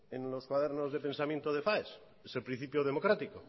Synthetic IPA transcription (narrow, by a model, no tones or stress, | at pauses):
enloskwaðeɾnozðe̞pe̞nsamjent̪oð̞efaes | eselpɾĩn̟θipjoðemokɾat̪iko